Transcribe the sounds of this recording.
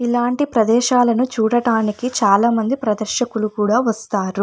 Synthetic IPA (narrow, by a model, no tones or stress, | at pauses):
ilaːɳʈipɾɐd̪ɛːʃaːlɐnut͡ʃuːɽɐɽaːnikit͡ʃaːlaːmɐnd̪ipɾɐd̪ɐɾʃɐkulukuːɽaːʋɐst̪aːɾu